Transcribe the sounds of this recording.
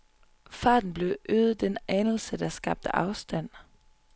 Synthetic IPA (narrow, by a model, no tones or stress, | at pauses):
fɑ̈ːd̥n̩b̥le̝ʊʔøːð̩ˠd̥enænl̩səd̥ɑ̈sɡ̥ɑ̈b̥̚d̥əʔɑ̈ʊsd̥æn̰